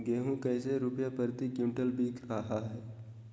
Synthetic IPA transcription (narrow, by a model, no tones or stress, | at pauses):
ɡeːɦũkəːseɾʊpjapəɾt̪ikjũːʈəlbʱiːkɾaɦaɦɛː